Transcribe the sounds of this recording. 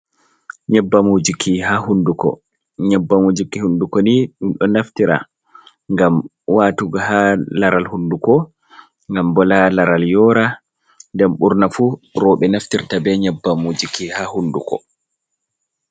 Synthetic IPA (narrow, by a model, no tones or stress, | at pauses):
ɲɛbːamud͡ʒikʰiɦahundukɔ̰ | ɲɛbːamud͡ʒikihundukɔniɗumɗɔnaftiɾa̰ | ŋɡam | waːtuɡaɦalaɾalhundukɔ | ŋɡambɔlalaɾaljɔːɾa | ndɛmɓuɾnafuɾɔɓɛnaftiɾtabɛɲɛbːamud͡ʒikihahundukɔ̰